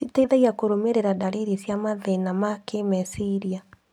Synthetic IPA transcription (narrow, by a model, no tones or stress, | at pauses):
itaiðaiakoɾomeɾeɾadaɾeɾisjamaðenamakemɛsiɾia